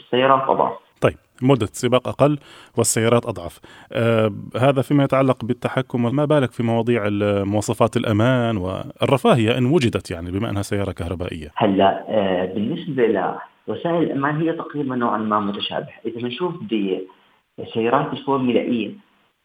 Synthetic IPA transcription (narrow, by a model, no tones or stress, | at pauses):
sːajːɑːɾˤɑːt̪ʔɑ̰d̪ˤʕɑ̰ft̪ˤɑjːɪb̥̚mʊd̪ːasɪbɑːqʔaqɑlːwɪsːajːɑːɾˤɑːt̪ʔɑd̪ˤʕɑfʔhaːðafimajɪt̪ʕalːɑqbɪt̪ːaħakːʊmwɪmabaːlakfimɑwɑːd̪ˤiːʕɪmʊwɑːsˤɑfɑːt̪ɪlʔamaːnwɪ̰rˤːɑfaːhɪjːaʔɪnːwʊd͡ʒɪd̪at̪jaʕnibɪmaʔɪ̰nhasajːɑːɾˤɑkahɾˤɑba̰ːʔɪ̰jːahalːaʔbɪnːɪsbala̰ | wasaːʔɪlɪlʔamaːnɦɪjːat̪aqɾiːbanːoːʕanmamʊt̪aʃa̰ːbɪhaʔɪðamɪnʃuːfd̪i | sːajːɑːɾˤɑːt̪ɪlkuːmɪla̰ːʔɪjːa